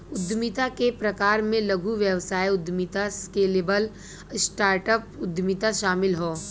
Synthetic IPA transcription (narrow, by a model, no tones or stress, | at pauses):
ʊd̪mit̪akepɾɐkaːɾmẽlɐɡʱuʋjɐwsaːiʊd̪mit̪askeːleːbəl | sʈaːɾʈəpʊd̪mit̪aʃaːmɪlɦoː